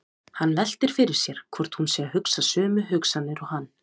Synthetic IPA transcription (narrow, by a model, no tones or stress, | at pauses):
hanːlɛl̥t̪ɪɾ̥fɪɾɪɾ̥sjɛɾ̥kʰvɔr̥t̪hunsɛahʏksasœːmʏɦʏksanːɪɾɔɣhanː